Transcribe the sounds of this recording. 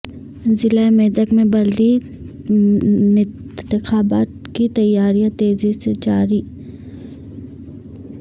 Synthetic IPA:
zɪlaemeːd̪əkmẽbɐld̪i | ɪ̃ | t̪ɪxaːbaːt̪kit̪ɐjːaːɾijãt̪eːzised͡ʒaːɾiː

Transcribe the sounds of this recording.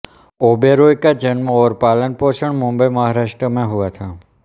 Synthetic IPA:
obeɾojkad͡ʒənmãɔɾpalənpɔʃəɳmʊmbəjməɦaɾaʂʈɾəmãɦuʋat̪ʰa

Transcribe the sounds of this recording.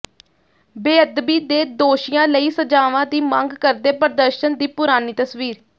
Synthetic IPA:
beːəd̪biːd̪eːd̪oːʃɪjãːləiːsəd͡ʒaːʋãːd̪iːmãŋɡkəɾd̪eːpəɾd̪əɾʃənd̪iːpʊɾaːniːt̪əsʋiːɾ

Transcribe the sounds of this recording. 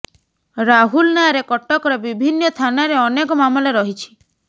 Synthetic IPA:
ɾaɦulnaaɾekɔʈːɔkɔɾebibʱinːɔt̪ʰanaɾeɔnekɔmamɔleɾɔɦit͡ʃʰi̥

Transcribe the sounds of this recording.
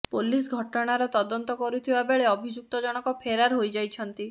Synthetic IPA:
polis̬ɡʱɔʈɔɽ̃aɾɔt̪ɔd̪ɔnt̪ɔkɔɾut̪ʰibabeɭeɔbʱid͡ʒuk̚t̪ɔd͡ʒɔɽ̃ɔkɔpʰeɾaɾɦojd͡ʒajt͡ʃʰɔnt̪i

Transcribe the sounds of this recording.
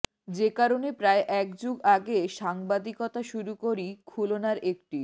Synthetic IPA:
d͡ʑekaɾonepɾaeʔɛkd͡ʑuɡaɡeʃaŋbad̪ikɔt̪aʃuɾukoɾikʰulonaɾek̚ʈi

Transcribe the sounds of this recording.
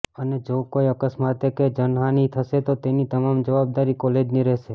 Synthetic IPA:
əned͡ʒokoiəkəsmat̪eked͡ʒənɦanit̪ʰəʃet̪ot̪enit̪əmamd͡ʒəʋab̚d̪aɾikɔled͡ʒniɾɛʃe

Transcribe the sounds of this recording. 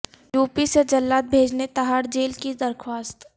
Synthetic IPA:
juːpised͡ʒɐlːaːt̪̚bʱeːd͡ʒnet̪aɦaːɾd͡ʒeːlkid̪ɐɾkʰwaːst̪

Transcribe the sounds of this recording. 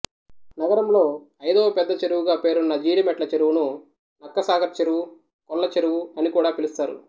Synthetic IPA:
nɐɡɐɾɐmlo̞ː | ɐjd̪oːpɛd̪ːɐt͡ʃe̞ɾuwuɡaːpe̞ːɾunːɐd͡ʒiːɽimɛʈlɐt͡ʃeɾuwunu | nɐkːɐsaːɡɐɾt͡ʃeɾuwu | kɔlːɐt͡ʃeɾuwuɐnikuːɽaːpilust̪aːɾṵ

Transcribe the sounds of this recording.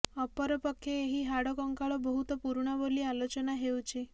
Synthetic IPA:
ɔpɔɾɔpɔkʰːjeːɦiɦaɽɔkɔŋkaɭɔbɔɦut̪ɔpuɾɳ̃ɔbolialot͡ʃɔnaɦewt͡ʃʰi

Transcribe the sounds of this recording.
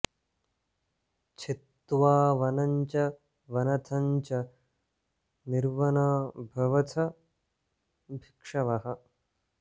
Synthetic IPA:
t͡ʃʰit̪ːʋaːʋɐnɐɲt͡ʃɐ | ʋɐnɐt̪ʰɐɲt͡ʃɐ | niɾʋɐnaːbʱɐʋɐt̪ʰɐ | bʱikʂɐʋɐɦɐ̆

